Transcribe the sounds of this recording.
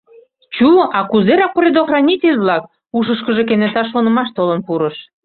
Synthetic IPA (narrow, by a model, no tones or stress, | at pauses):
t͡ɕuɑkuzeɾɑk̚oɾʲed̪oxrɑnʲitʲelʲβlɑk̚ | uʃəʃkəʒek̬enesɑʃ̬onə̆mɑʃt̪olənpuɾəʃ